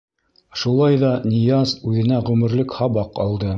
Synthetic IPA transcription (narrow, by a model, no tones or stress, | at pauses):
ʃulˠɑjðɑnʲĭjɑsʉðɘ̆næʁʉmɘ̆ɾlɘkhɑβɑqɑlˠd̪ɤ